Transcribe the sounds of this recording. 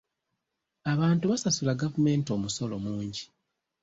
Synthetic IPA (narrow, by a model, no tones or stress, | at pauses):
aβaːntuβasasulaɡavume̞ːnto̞muso̞lo̞muːɲɟi